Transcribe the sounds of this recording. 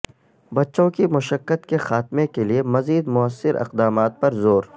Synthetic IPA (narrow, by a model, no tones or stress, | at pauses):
bɐtːʃõkimʊʃəkːət̪kexaːt̪mekeliemɐziːd̪mʊəsːɪɾʔɪ̰qd̪aːmaːt̪̚pɐɾzoːɾ